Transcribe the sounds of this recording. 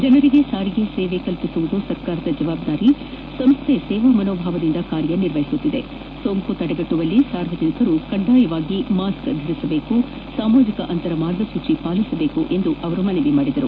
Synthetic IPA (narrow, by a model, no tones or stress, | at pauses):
d͡ʒɐnɐɾiɡe̞saːɾiɡe̞seːʋe̞kɐlpisuʋud̪usɐɾkaːɾɐd̪ɐd͡ʒɐʋaːbd̪aːɾi | sɐmst̪ʰesɛːʋɐmɐnoːbʱaːʋɐd̪ind̪ɐkaːɾjɐniɾʋɐɦisut̪ːid̪e̞̰ | soːŋkut̪ɐɽɐbɐʈːuʋɐlːisaːɾʋɐd͡ʒɐnikɐɾukɐɳɖaːjɐʋaːɡimaːskɡ̪ʱɐɾisɐbe̞ːku | saːmaːd͡ʒikɐʔɐnt̪ɐɾɐmaːɾɡɐsuːt͡ʃipaːlisɐbe̞ːkuʔe̞nd̪uʔɐʋɐɾumɐneʋimaːɽid̪ɐɾu